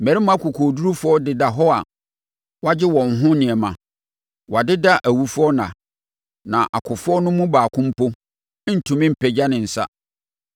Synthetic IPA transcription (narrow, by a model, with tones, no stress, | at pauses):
m̩˨mɛ˨ɾi˦mã˦kʰʊ˨kʰo˨du˦ɾu˦fɔ˦dɪ˨da˨ɦɔ˦a˨ | wa˦d͡ʑɪ˦wɔ̃˨n˨ɦʊ̃˦nɪ̃˨ɛ˨mã˨ | wa˨dɪ˦da˦ʔæ˨wu˨fʊ˦ɔ˦nã̰˨ | nã˨ʔa̰˨kʰʊ˨fʊ˦ɔ˦nʊ̃˦mũ˦baː˨kʰʊ̃˦m̩˦pʰo˦ | n̩˨tʰũ˨mɪ̃˦m̩˨pʰɛ˨d͡ʑa˦nɪ̃˨n̩˨sa̰˦